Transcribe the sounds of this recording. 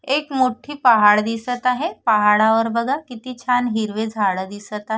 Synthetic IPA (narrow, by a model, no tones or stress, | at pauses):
ekmoʈʰiːpəɦaɽd̪isət̪aɦepəɦaɽaʋəɾbəɡʱakit̪iːt͡ɕʰanɦiɾʋed͡zʱaɭəd̪isət̪aɦe